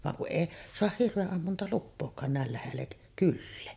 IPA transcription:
ʋɑŋ kuʔ ʔeˑi soɑh hirʋeʔːɑmːuntɑlupːoːkˑɑːn næˑel læhelːek kylːeː

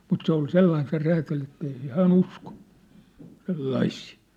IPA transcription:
mut se ol selːɑin se ræːtæl etːei se hæːn usko selːɑisiː

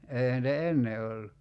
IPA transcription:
eihæn nitæ enːe olːu

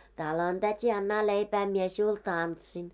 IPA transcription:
tɑˑlon tætʲi ɑnːɑː leipæː mie siul tɑntsin

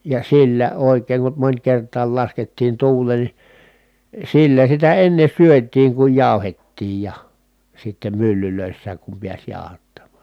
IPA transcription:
jɑ silːæ oˑi̯kˑeːŋ kum monʲkertˑɑːl lɑsketːiːn tuːlˑeːn ni silːæ sitæ enːe syøtˑiːŋ kuj jɑˑu̞hetːiːj jɑ sitːem mylːyløˑisːæːk kum piæs jɑˑohɑtːɑmːɑˑn̞

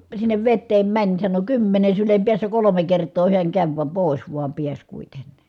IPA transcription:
sinːeʋ ʋetːeːm mænʲ sɑno kymːene sylem piæsːæ kolome kertoː hiæŋ kæʋ ʋɑm poˑis ʋuɑm piæs kuitenn̥i̥

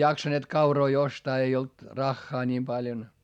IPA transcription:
jɑksɑneːt kɑuroi ostɑː ei olt rɑxːɑː nʲiːm pɑljon

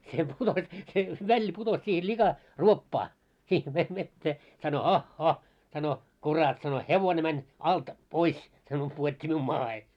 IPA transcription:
se putos se ʋælːi putos sihe likɑ ruopːɑː sih ʋe ʋetːeː sɑno hɑhːɑh sɑno kurɑt sɑno heʋone mænʲ ɑlt pois sɑno puotʲːi miun mɑːhe

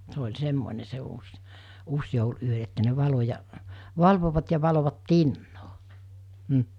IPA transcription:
se olʲ semːone se uːs uːsjoul ʔyø etːæ ne ʋɑlo jɑ ʋɑlʋoʋɑt jɑ ʋɑloʋɑt tinːoː m̩

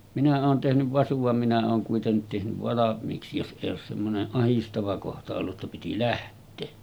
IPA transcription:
minæ oːn tehnyʋ ʋɑsuʋ ʋɑm minæ oːn kuitenːit tehnyʋ ʋɑlɑmˑiːksi jos ʔeˑij oːs semːoneʔ ʔɑhistɑʋɑ kohtɑ olːu tːɑ piti læhtˑeː

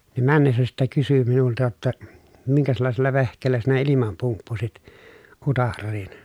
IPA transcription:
nim mænːesːæ sitːek kysy minultɑ jotːɑ miŋkæslɑˑeselːɑ ʋehkˑeːlːæ sinæ ilimɑm pumpːusit utɑrːiːn

